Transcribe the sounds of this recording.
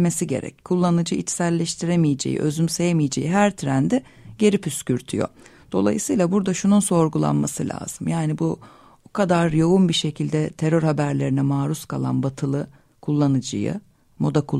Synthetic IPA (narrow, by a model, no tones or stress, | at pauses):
me̞siɟe̞̰ɾɛ̰ckʰːulˠːanɯd͡ʒɯit͡ʃsælʲːɛʃt̪ʰiɾemijed͡ʒejḭʔø̞zymse̞jemijed͡ʒejiɦæɾt̪ʰɾænd̪ɪ | ɟ̥e̞ɾipyscyɾt̪ʰy̰jo̞̰ | d̪̥o̞̰lˠa̰jɯsɯːjlˠabuɾd̪aʃununso̞ɾɡulˠa̰nmasɯlʲʔa̰ːz̥ɯmjaːnibu | bukʰad̪aɾjo̞unbiʃe̞cʰilʲd̪ɛt̪ʰeɾøɾhabæɾlʲeɾinɛmaːɾuskʰalˠa̰nbat̪ʰɯlˠɯ | kʰulˠːanɯd͡ʒɯ̰jɯ̰ | mod̪akʰu